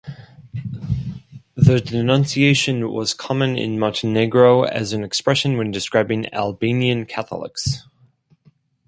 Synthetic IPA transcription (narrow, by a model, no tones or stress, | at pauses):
ðədɨnʌ̃nsieɪʃɨ̃nwʌ̰z̥kʰɑmə̃nɪ̰̃nmɑ̃ʊ̃ntʰɨnɛɡɹoʊɨ̰zɨ̃nɨkspɹɛʃə̃nwɨ̃ndɨskɹaɪbɪ̃ŋæ̰lˠbĩniɨ̃nkʰæθl̩ˠɪ̰ks